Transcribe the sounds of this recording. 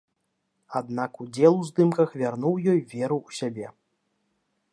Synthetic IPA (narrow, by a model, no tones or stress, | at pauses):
ad̪nakud͡zʲɛlˠuzd̪ɨmkɐxvʲarnuwjɔjvʲɛɾuwsʲabʲɛ